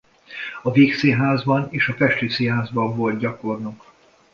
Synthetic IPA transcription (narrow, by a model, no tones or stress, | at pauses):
ɒveːkseːɦaːzbɒneːʃɒfɛʃt̪yːseːɦaːzbɒɱvo̞lt̪̚ɟɒko̞rnuk